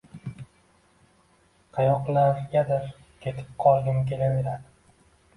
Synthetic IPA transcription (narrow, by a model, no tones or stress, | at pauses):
qʰɑjɒqnaɡʲad̪ɪɾ | kʲʰe̞t̪ʰɪ̥p̚qʰɒlˠd̪ʲɪmkʲʰe̞lave̞ɾad̪ɪ